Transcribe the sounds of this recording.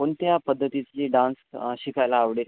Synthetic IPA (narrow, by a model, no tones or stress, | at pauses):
koɳt̪japəd̪ʱːət̪it͡ɕiːɖansɕikajlaːʋɽe